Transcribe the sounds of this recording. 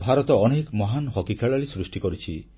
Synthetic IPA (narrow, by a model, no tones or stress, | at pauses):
bʱaɾɔt̪ɔɔnekmɔɦanɦɔkikʰeɭaɭisɾusʈikɔɾit͡ʃʰi